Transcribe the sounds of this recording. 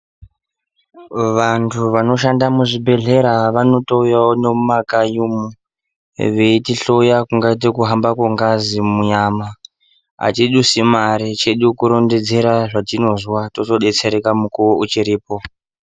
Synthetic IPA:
ʋantʰuʋano̞ʃ̬andamuʐibʱe̞ɮe̞ɾaʋano̞toujaonomakajumu | ʋeitiɬo̞jakuŋɡait̬ekuɦambakoŋɡazimuɲama | a̰tiɗusimaɾit͡ʃe̞ɗukuɾo̞nde̞d͡ze̞ɾaʐatino̞zwatoto̞ɗe̞t͡se̞ɾekamukuwoʔut͡ʃiɾiːpo̞

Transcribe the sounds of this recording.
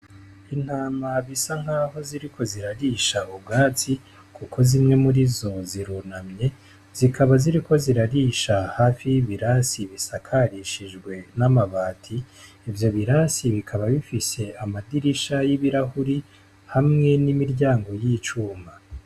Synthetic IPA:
in̥haːmaβisaŋ̥haːɦo̞ziɾikʰo̞ziɾaɾiʃaubɡaːt͡si | kukʰo̞zimŋe̞muɾizo̞ziɾunamɲe̞ | z̥ikʰaβaziɾiko̞ziɾaɾiʃahaːfiβiɾasiβisakʰaɾiʃiʒɡwe̞namaβaːtʰiː | vjo̞βiɾasiβikʰaβaβifise̞amadiɾiʃajiβiɾahuɾi | hamŋe̞nimiɾjaːŋɡo̞jiːt͡ʃuːma

